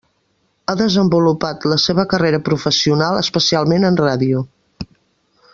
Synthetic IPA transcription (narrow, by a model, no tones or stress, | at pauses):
aðəzəmbulupat̪ləseβəkəreɾəpɾufəsiunalˠəspəsialˠmenənraðiu